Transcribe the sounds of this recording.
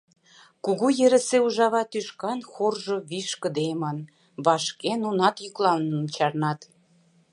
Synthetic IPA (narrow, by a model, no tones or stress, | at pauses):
kuɣujeɾə̆seuʒɑβɑt̪yʃkɑnxorʒŏβiʃkə̆d̪emɑn | βɑʃkenunɑt̪jyklˠɑlnət͡ɕɑrnɑt̪